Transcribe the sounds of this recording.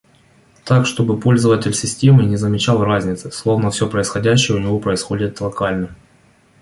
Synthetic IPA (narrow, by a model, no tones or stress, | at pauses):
t̪akʂt̪o̞bɨpo̞lʲzəvətʲɪlʲsʲɪsʲtʲemɨnʲɪzəmʲɪt͡ɕalˠrazʲnʲɪt̪sɨslˠo̞vnəfsʲopɾəɪsxɐdʲæɕːɪjəʊnʲɪvo̞pɾəɪsxo̞dʲɪt̪lˠɐkalʲnə